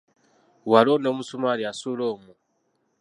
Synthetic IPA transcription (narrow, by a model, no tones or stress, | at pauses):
walonomusumaliasuloːmu